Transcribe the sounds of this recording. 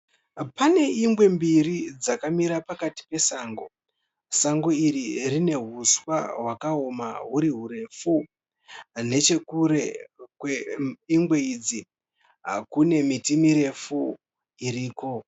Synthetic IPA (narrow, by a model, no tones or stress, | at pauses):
pane̞imɡwe̞mbiɾid͡zakamiɾapakati̥pe̞saːŋɡo̞ | saŋɡo̞iɾirine̞ɦuswa̰ɦwakaoma̰ɦuɾiɦuɾe̞fu | ne̞t͡ʃe̞kuɾe̞kweiŋɡwe̞id͡zi | kune̞mitimiɾe̞fu | iɾiːko̞